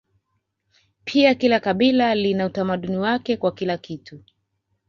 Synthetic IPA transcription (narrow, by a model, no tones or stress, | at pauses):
pʰiakilakaɓilalinautamaɗuniwakɛkwakilakitu